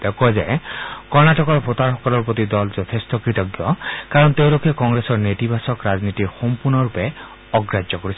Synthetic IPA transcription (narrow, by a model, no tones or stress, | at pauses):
d̪ekʰuazekɔɾnaʈɔkɔɾpʰot̪aɾɦɔkɔlɔɾpɔt̪id̪ɔld͡ʒɔt̪ʰest̪ɔkɾit̪ɔɡjɔkaɾɔnt̪ewlokʰekɔŋɡɾesɔɾnet̪ibʱasɔkɾad͡ʒnit̪iɾxompuɾnɔɾupe | ɔɡɾad͡ʒjɔkɔɾisʰi̥